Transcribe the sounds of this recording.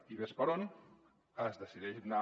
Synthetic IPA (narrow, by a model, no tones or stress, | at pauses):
iβespɐɾoni | əzðəsiðɛʒna